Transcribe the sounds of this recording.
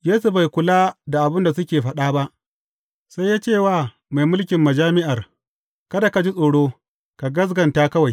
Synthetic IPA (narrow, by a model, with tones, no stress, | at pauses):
jeː˦su˨ba˨jkʷʊ˨laː˦da˨ʔa˨bɪ˦nda˨sʊ˦kʲeː˨ɸɐ˦ɗaː˦ba˦ʔ | sa˦jːaː˦t͡ʃeː˦˨waː˦˨ | ma˨jmʊ˦lkʲɪ˨mːɐ˨d͡ʒaː˦mɪ˦ʔa˨r | kɐ˦da˨ka˨d͡ʒi˦sʼoː˨ɽoː˦ | ka˨ɡɐ˦s̬ɡɐ˨ntaː˦kɐ˦wa˨j